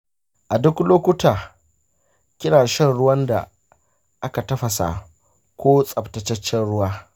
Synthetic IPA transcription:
ʔa˨dʊ˦kloː˦kʷʊ˦taː˨ | kʲɪ˦ɽaː˨ʃɛ˦nɽʊ˦wɐ˦nda̰˨ | ʔa˦ka˨tɐ˦ɸɐ˨sa̰˨ | kʷoː˦sʼɐ˨ptɐ˨t͡ʃɐ˦t͡ʃːɛ˦nɽʊ˦waː˦

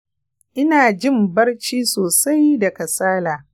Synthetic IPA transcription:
ʔɪ˦naː˨d͡ʒɪ˦mbɐ˦rt͡ʃiː˦soː˨sa˦jdɐ˨kɐ˨saː˦laː˨

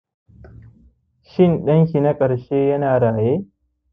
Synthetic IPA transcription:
ʃɪ˦˨nɗɐ˦ŋk̬ʲi˨na˦kʼɐ˨ɽʃeː˦jɐ˦naː˨ɽaː˨jeː˦

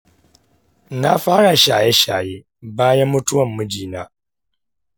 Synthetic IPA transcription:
na˦faː˦ɾa˨ʃaː˨je˦ʃaː˨je˦ | baː˦ja˦mʊ˦tʰu˦wɔ˨mːɨ˦d͡ʒiː˨nã˦

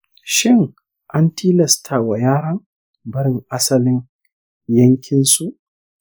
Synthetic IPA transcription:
ʃɪ˦ŋ | ʔa˦ntʰiː˦lɐ˨stʰaː˨wa˨jaː˦ɽɐ˦ŋ | bɐ˦ɽɪ˦ŋʔa˦sɐ˦lɪ˦ŋ | jɐ˦ŋkʲʰɪ˦nsu˦ʔ

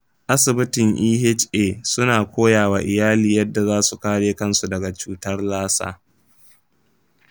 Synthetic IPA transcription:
ʔa˦sɪ˨bɪ˦tɪ˨ŋʔiː˦ɦɪ˦t͡ʃeː˨sʊ˦naː˨kʷoː˦jaː˨waː˨ʔɪ˨jaː˦liː˨jɐ˦dːa˨zaː˦su˨kaː˦ɽeː˦kɐ˦nsu˨dɐ˨ɡa˨t͡ʃuː˦tɐ˦rlaː˦sa̰ː˦

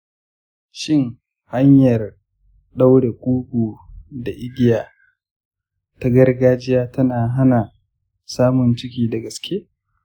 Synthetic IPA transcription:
ʃɪ˦ŋ | ha˦ɲjɐ˨r | ɗa˦wɽe˨kʷʼuː˦ɡʷuː˨da˨ʔɪ˦ɡʲɪ˦jaː˨ | ta˦ɡɐ˦rɡaː˦d͡ʒɪ˦jaː˦tɐ˦naː˨ɦa˦na˨ | saː˦mʊ˨nt͡ʃɪ˦kʲiː˨dɐ˨ɡɐ˨skʲʰeː˦

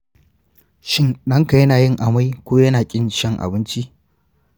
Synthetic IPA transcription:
ʃɪ˦nɗɐ˦ŋka˨jɐ˦naː˨jɪ˦ŋʔa˨ma˦jkʷoː˦jɐ˦naː˨kʲʼɪ˦nʃɐ˦ŋʔa̰˨bɪ˦nt͡ʃi˦ʔ

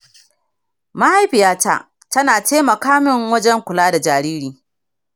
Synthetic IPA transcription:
ma˦ha˦jɸɪ˨jaː˦ta̰˦ʔ | tɐ˦naː˨teː˦mɐ˨kaː˦mɪ˦ŋwɐ˦d͡ʒɛ˦ŋkʷʊ˨laː˦da˨d͡ʒaː˨ɾiː˦ɾiː˨

